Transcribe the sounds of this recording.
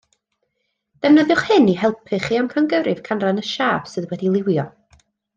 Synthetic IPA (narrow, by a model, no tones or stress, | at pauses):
d̥ɛvnəðjʊχhɨniɦɛlˠpʰɨχiamkʰanɡəɾɨv̥kʰanranəʃaːv̥sɨðwɛdilˠɪwjɔ